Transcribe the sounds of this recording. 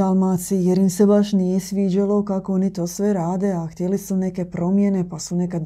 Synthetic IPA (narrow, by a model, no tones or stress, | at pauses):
almaːsijɛɾimsɛbaʃniɛsʋiːd͡ʒɛlokakonit̪osvjɛɾaːd̪ɛaxt̪ɛlisunɛɛkɛpɾomjɛnɛpasunɛka